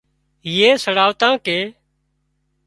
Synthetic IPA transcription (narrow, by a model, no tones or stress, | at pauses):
ɦiːeːsəɽaːʋt̪ãːkeː